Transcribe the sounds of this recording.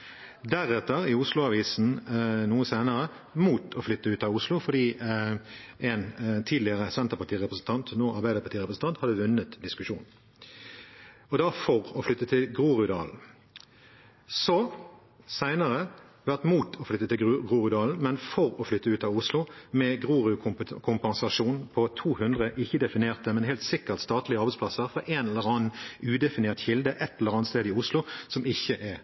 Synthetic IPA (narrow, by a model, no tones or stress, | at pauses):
d̪æʁɛt̪ːəʁɪʊslʊɑʋiːsn̩nuːəsæɪnəʁə | muːt̪ʰɔflʏt̪ːəʉːt̪ɑʊslʊfɔɖ̪iː | ʔɛnt̪ʰiːd̪lɪəʁəsɛnt̪əpɑt̪iːʁɛpʁəsn̩t̪ɑnt̪noːʔɑʁbæɪəpɑt̪iːʁɛpɾəsn̩t̪ɑnt̪hɑd̪ːəʋʉnːət̪d̪ɪskʉʃṵːn | ɔd̪ɑfɔʁɔflʏt̪ːət̪ʰɪlɡʁuːʁʉd̪ɑ̰ːln̩ | sɔ | sæɪnəʁəʋæʁt̪muːt̪ʰɔflʏt̪ːət̪ɪlɡʁuːʁʏd̪ɑːln̩mɛnfɔʁɔflʏt̪ːəʉːt̪ɑʋʊslʊmɛɡʁuːʁʏʊkʰʊmpɑnsɑʃuːnpʰɔt̪ʰuːhʉnd̪ʁəʔɪçːəd̪ɛfɪneːʁt̪əmɛnhɦeːlt̪sɪkːəʁt̪st̪ɑːt̪lɪəɑʁbɛspʰlɑsəʁfɔɾeːnɛləʁɑːnʉːd̪ɛfɪneːʁt̪çɪld̪əʔɛt̪ːɛləʁɑːnst̪eːd̪ɪʊslʊsɔmɪçːəʔɛ